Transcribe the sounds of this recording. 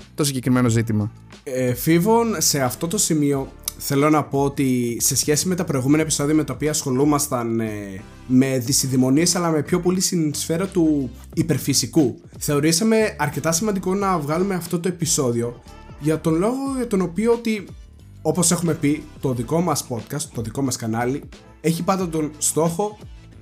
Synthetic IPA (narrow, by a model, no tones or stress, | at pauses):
t̪o̞siɲɟe̞kɾime̞no̞zit̪imɐ | efivo̞nse̞ɐft̪o̞t̪o̞simio̞θe̞lo̞nɐpo̞ot̪ise̞sçe̞sime̞t̪ɐpɾo̞iɣumenɐepi̥so̞ðiɐme̞t̪ɐopiɐːsxo̞lumɐst̪ɐn | me̞ðisiðimo̞nie̞sɐlɐme̞pço̞po̞lisinisfe̞ɾɐt̪u | ipe̞ɾfisiku | θe̞o̞ɾisɐme̞ɐɾce̞t̪ɐsimɐnd̪iko̞nɐvɣɐlume̞ɐft̪o̞t̪oe̞piso̞ðio̞ | ʝɐt̪o̞nlo̞ɣo̞ʝɐt̪o̞no̞pioot̪i | o̞po̞se̞xume̞pit̪o̞ðiko̞mɐspo̞t̪̚kɐst̪ːo̞ðiko̞mɐskɐnɐli | e̞çipɐd̪ɐt̪o̞nst̪o̞xo̞